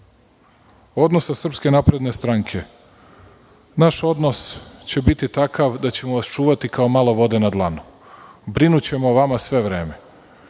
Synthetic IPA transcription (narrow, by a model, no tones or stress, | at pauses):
o̞d̪no̞sasr̩pske̞napɾe̞d̪ne̞st̪ɾaŋkʰe̞ | naʃo̞d̪no̞st͡ɕe̞bit̪it̪akaʋd̪at͡ɕe̞moʋast͡ʃuːʋat̪ikaomalˠo̞ʋo̞d̪e̞nad̪lˠanu | bɾinut͡ɕe̞moʋamasʋe̞ʋɾe̞ːme̞